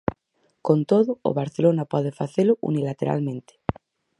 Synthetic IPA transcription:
kont̪oðo̰ːβ̞aɾθelonapwaðefaθeloʔṵnilat̪ḛɾa̰lmẽnt̪e̥

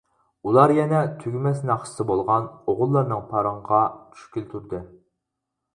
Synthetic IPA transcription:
ulˠɑɾjɛnɛt̪ʰyɡʲymɛsnɑχssɨbolˠʁɑnoʁʊlˠːɑɾnɨŋpʰɑɾɑɴʁɑt͡ʃʰy̥ʃkʲylt̪ʰuɾd̪ɨ

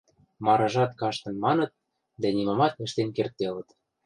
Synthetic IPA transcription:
mɑɾɑʒɑt̪kɑʃt̪ɤ̆nmɑnɤ̆t̪̚ | d̪ænimɑmɑt̪ə̆ʃt̪enkert̪ːelə̆t̪

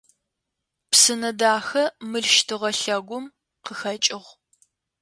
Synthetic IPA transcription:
psɨnɐdaːxɐmɨɮʃtʰɨʁɐɬɐɡʷʊm | qəxɐt͡ʃʼɪʁ

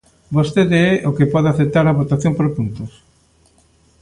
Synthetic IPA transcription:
bost̪eðeɛʔokepɔðɪaθet̪aɾɐβot̪aθjompoɾpunt̪ʊs

